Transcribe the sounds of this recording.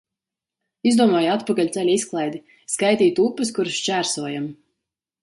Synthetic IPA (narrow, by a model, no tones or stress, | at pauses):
izd̪uɔmɔːjat̪pakalʲt̪sʲɛlʲisklˠɛjd̪i | skajt̪iːt̪upːɨskuɾʃt͡ʃæːɾsuɔjam